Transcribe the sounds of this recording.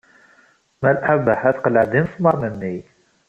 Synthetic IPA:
mælʔabəħæθqələʕd̪infmɑɾˤnənːi

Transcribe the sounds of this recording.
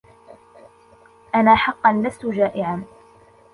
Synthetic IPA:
ʔanaːħɑqːɑnːaftʊd͡ʒaːʔɪʕaː

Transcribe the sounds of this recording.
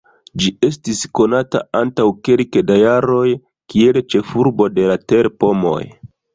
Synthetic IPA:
d͡ʒie̞stisko̞nata̰antawke̞lkdajaɾo̞j | kielt͡ʃe̞fuɾbo̞de̞late̞ɾpo̞mo̞̰j

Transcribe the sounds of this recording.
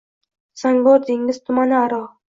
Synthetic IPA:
saŋboɾd̪eŋːɪz̥t̪ʰʊmanɪaɾɒ

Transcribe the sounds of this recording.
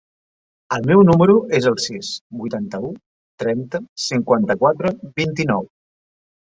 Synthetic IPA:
əlˠmɛwnuməɾuʔezəlˠsisbujt̪ant̪əu | t̪ɾɛnt̪əsiŋkwant̪əkwat̪ɾəβint̪inɔw

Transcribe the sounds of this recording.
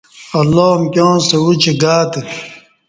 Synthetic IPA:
ɐlːoːmkʲjõːnsewut͡ɕeɡaːt̪e

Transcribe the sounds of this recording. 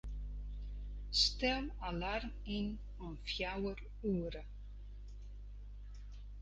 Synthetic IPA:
st̪ɛwalarm | in | ɔmfjawəɾ | uəɾə

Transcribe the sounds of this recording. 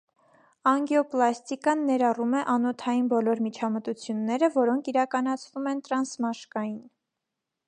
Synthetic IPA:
ɑŋɡɛɔplɑst̪ikɑnːɛɾɑrumɛʔɑnɔt̪ʰɑjinbɔlɔɾmit͡ʃʰɑmət̪ut͡sʰjunːɛɾəvɔɾɔŋkʰiɾɑkɑn̪ɑt͡sʰvumɛnt̪ɾɑnsmɑʃkɑjin

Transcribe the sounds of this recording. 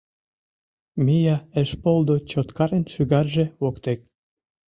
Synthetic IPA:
mijɑeʃpolˠd̪ot͡ɕot̪kɑɾenʃyɣɑrʒĕwokt̪ek̚

